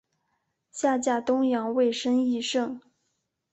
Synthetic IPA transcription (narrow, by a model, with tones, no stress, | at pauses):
ɕja˥˧t͡ɕja˥˩t̪ʊ˥ŋjɑ˧˥ŋwe˥˩ɪʂə˥ŋi˥˧ʂɤ˥˩ŋ